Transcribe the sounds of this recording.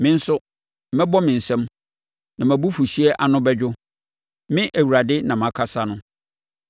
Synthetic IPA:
mɪ̃˦n̩˦sʊ˦ | mɛ̃˦bɔ˦mɪ̃˨n̩˨sɛ̃˦m | nã˨mæ̃˨bu˦fu˨si˦ɛ˦ʔa˨nʊ̃˦bɛ˦d͡ʑᶣʊ˦ | mɪ̃˦ʔæ˨wu˨ɾa˨dɪ˦nã˨m˨ã˨kʰa˦sa˦nʊ̃˦

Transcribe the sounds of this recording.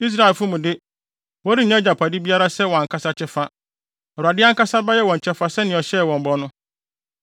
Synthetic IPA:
i˦s̬ɾa˦˨e˨lfʊ˦mũ˨dɪ˦ | wɔ˦ɾi˦˨ɲ˦ã˦d͡ʑa˨pʰa˨dɪ˦bi˦a˦ɾa˦sɛ˦wɔ˨a˨kʰa˦sa˦t͡ɕʰɛ˦fa˦ | ɔ˨ɾʊ˨a˨dɪ˦a˦ŋ˦ka˦sa˦ba˦jɛ˦wɔ̃˨ɲ˨t͡ɕʰɛ˦fa˦sɛ˦nɪ̃˨ɔ˨ɕɛ˦˨wɔ̃˨m̩˨bɔ˨˦nʊ̃˦

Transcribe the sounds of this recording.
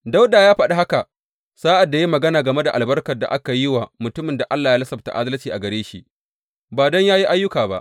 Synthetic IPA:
da˦wdaː˨jaː˦ɸɐ˨ɗa˦ɦa˦ka˨ | saː˦ʔa˨dːa˨ji˦mɐ˨ɡɐ˦naː˨ɡɐ˨me˦da˨ʔa˨lbɐ˦rkɐ˨rda̰˨ʔa˦ka˨ji˦wa˨mʊ˨tʊ˦mɪ˨nda˨ʔa˦lːaː˨jaː˦lɐ˦sɐ˨bta̰˨ʔa˦dɐ˦lt͡ʃiː˨ʔa˨ɡɐ˨ɾeː˦ʃḭ˦ | baː˨dɔ˦ɲjaː˦ji˦ʔa˦jːʊ˦kaː˨ba̰˦ʔ

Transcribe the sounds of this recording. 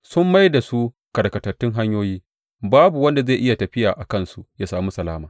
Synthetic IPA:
sʊ˦mːa˦jda˨su˦ | kɐ˨ɽkɐ˨tɐ˨rtːʊ˦ŋɦa˦ɲjoː˦jiː˦ | baː˦bu˨wɐ˦nda˨ze˦˨jʔɪ˦ja˨tɐ˨ɸɪ˦jaː˨ʔa˨kɐ˦˨nsu˦jaː˦saː˨mu˦sɐ˨laː˦maː˨

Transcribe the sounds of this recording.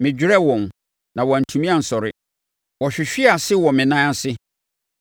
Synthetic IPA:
mɪ̃˨d͡ʑᶣɪ˦ɾɛ˦wɔ̃˨n˨ | nã˨wɔ˨n̩˨tʰũ˨mĩ˦a˦˨n̩˨sɔ˨ɾɪ˦ | wɔ˨ɕᶣɪ˨ɕᶣɪ˦a˨sɪ˦wɔ˨mɪ̃˨nã˦a˦sɪ˦

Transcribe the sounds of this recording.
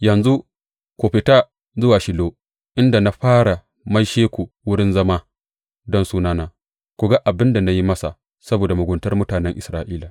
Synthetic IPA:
jɐ˨nzu˦ | kʷu˨ɸɪ˨taː˦ | zʊ˦waː˨ʃɪ˨loː˦ | ʔɪ˦nda˨na˨ɸaː˦ɽa˨ | mɐ˦jʃeː˦kʷu˨wʊ˦ɽɪ˦nzɐ˦ma˦ | dɔ˦nsuː˦naː˦naː˦ | kʷu˨ɡa˦ʔa˨bɪ˦nda˨na˦ji˦mɐ˦sa˨ | sɐ˦boː˨da˨mʊ˨ɡʷʊ˨ntɐ˦rmʊ˦taː˨nɛ˦ŋʔɪ˨sɾaː˦ʔiː˦la˨

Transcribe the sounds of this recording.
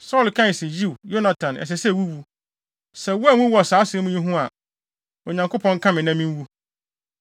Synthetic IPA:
sɔ˦˨lkʰã˦˨sɪ˨ji˦˨wjo˦na˨tʰã˨nʔɛ̰˨s̬ɛ˨sɛ˦˨wu˦wu˦ | sɛ˨wu˦a˦˨˦wʊ̃˦wɔ˨saː˨˦sɪ̃˦ũ˦ɲĩ˦ɦũ˦a˨ | o˨ɲã˨ŋkʰo˦pʰɔ̃˦ŋ˦kʰã˦mɪ̃˨nã˦mĩ˦m˦wu˦

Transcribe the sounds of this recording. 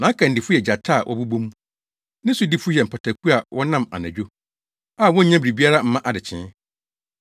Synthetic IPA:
nã˨˦kʰã˨n̩˨dɪ˨fʊ˦jɛ˨d͡ʑa˨tʰa˦˨ʔɔ̰˦bu˦bõ˦m | nɪ̃˦su˨di˦fʊ˦jɛ˨m̩˨pʰa˨tʰa˨kʰu˦a˨wʔɔ˦nã˦˨ma̰˨næ̰̃˨d͡ʑᶣo˦ | a˨wɔ̃˦ɲ̩˦ɲã˦bɾi˨bi˦a˦ɾa˦m̩˦mã˦ʔa˨dɪ˨t͡ɕʰɪ̰̃˨˦

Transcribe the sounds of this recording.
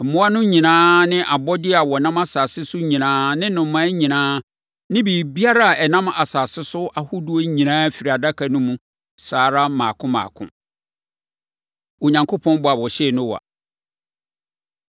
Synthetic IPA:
m̩˨mʊ̃˦a˦nʊ̃˦ɲĩ˨nãː˦nɪ̃˦ʔa˨bɔ˦dɪ˦a˨wɔ˨nã˦ma˦saː˨sɪ˦sʊ˦ɲĩ˨nãː˦nɪ̃˦nʊ̃˨mã˦ɲĩ˨nãː˦ | nɪ̃˦biː˨bi˦a˦ɾa˦a˨ɛ˨nã˦ma˨saː˨sɪ˦sʊ˦ʔa˨hʊ˦du˨˦o˦ɲĩ˨nãː˦fi˨ɾi˨a˨da˦kʰa˨nʊ̃˦mũ˦ | saː˨˦ɾa˦mãː˨kʰʊ̃˦mã̰ː˨kʰʊ̰̃˦ | o˨ɲã˨ŋkʰo˦pʰɔ̃˦n˦bʊ˨a˨wɔ˨ɕɛ˦˨nʊ̃˦wa̰˨

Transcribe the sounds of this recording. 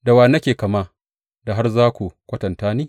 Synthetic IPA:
da˨waː˨nɐ˦kʲeː˨kɐ˨ma˦ | da˨ɦa˦rzaː˦kʷu˨kʷɐ˦tɐ˨ntaː˦niː˦

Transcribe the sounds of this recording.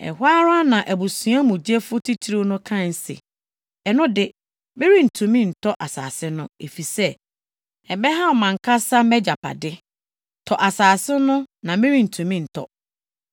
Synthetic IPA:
ɛ̰˨haː˦ɾa˦nã˨ʔæ˨bu˨sũ˨˦a˦mũ˨d͡ʑi˦ɛ˦fʊ˦tʰi˦tʰi˦ɾo˦nʊ̃˦kʰã˦˨n̩˦sɪ̰˨ | ɛ˨nʊ̃˦dɪ˦ | mɪ̃˦ɾi˦n̩˨tʰũ˨mĩ˦n̩˨tʰɔ˦ʔa˨sa̰ː˨sɪ˦nʊ̃˦e˨fi˨sɛ˦ | ɛ˨bɛ˦ɦã˦˨mã˨ŋ˨kʰa˦sa˦mɛ˦d͡ʑa˨pʰa̰˨dɪ˦ | tʰɔ˨ʔa˨saː˨sɪ˦nʊ̃˦nã˨mɪ̃˦ɾi˦˨n̩˨tʰũ˨mĩ˦n̩˨tʰɔ̰˦

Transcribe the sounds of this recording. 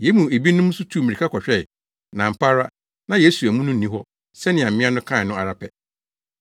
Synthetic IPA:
je˨˦mũ˨e˨bi˦nʊ̃˦m˦sʊ˦tʰu˦˨mĩ˨ɾi˨kʰa˦kʰɔ˨ɕᶣɛ˦˨ | nã˨m̩˨pʰa˦ɾa˦ | nã˨je˦su˨æ˨mũ˦nʊ̃˦n̩˨nĩ˦ɦɔ˦ | sɛ˦nɪ̃˨ã˨m̩˨mɪ̃˦a˦nʊ̃˦kʰã˦˨nʊ̃˦a˨ɾa˦pʰɛ˨

